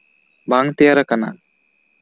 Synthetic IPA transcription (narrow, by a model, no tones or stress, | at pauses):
baŋt̪ɛjaɾakana̰